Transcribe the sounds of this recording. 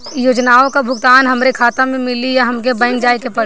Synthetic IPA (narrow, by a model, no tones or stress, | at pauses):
joːd͡ʒnaːõkabʱʊɡt̪aːnɦɐmɾekʰaːt̪amẽmɪlijaɦɐmkebɐ̃ɪ̃ŋɡd͡ʒaːekepɐɽ